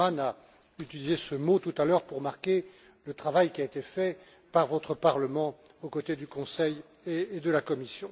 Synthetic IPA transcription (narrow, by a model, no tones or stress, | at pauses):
ana | yt̪ilizesəmot̪ut̪alœʁpuʁmaʁkʲe | lət̪χavajkʲiaet̪efɛ | paʁvɔt̪χəpaʁləmɑ̃ | okot̪ed̪ykɔ̃sɛj | eːd̪əlakɔmisjɔ̃